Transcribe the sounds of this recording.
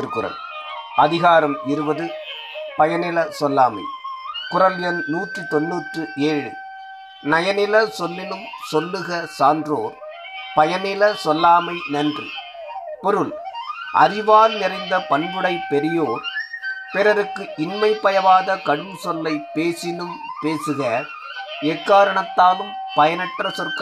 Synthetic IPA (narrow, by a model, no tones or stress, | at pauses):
ɪɾkɯɾɐ̰l | ɐðɪɣaːɾɐmɪɾɯbɐðɯ | pɐjɐnɪlɐsɔlːaːmɐ̰ɪkʊɾɐljɐnnuːʈrit̪ɔnːuːʈrɯʔeːɻɯ̰ | nɐjɐnɪlɐsɔlːɪlɯmsɔlːɯɣɐsaːndroːɾ | pɐjɐnɪlɐsɔlːaːmɐɪnɐndrɯ̰ | pɔɾɯlʔɐ̰ɾɪʋaːɾnɪrɐɪnd̪ɐpɐɳbɯɽɐɪpːɛɾɪjoːɾpɛɾɐɾɯkːɯʔɪnmɐɪpːɐjɐʋaːðɐkɐɽɯmsɔlːɐɪpːeːsɪnɯmpeːsɯɣɐ | ɛkːaːɾɐɳɐt̪ːaːlɯmpɐjɐnɐʈrɐsɔrkɐ